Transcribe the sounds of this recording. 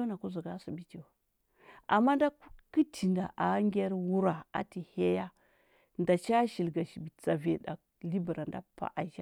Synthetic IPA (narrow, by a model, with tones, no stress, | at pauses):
na˨ku˦zu˨ɡa˦su˨bi˦ti˨ | ʔa̰˨mːa˦nda˦ki˦tʰi˨nda˨ʔa˨˦ŋɡʲe˦ɾwu˦ɾa˨a̰˨ti˨he˦ja˦ | nda˨t͡ʃa˦ʃi˨lɡa˨ʃi˨bi˨t͡sa˨ve˨da̰˨ | li˦bi˨ɾa˨nda˦pa̰˨ʔa˨ʒa˦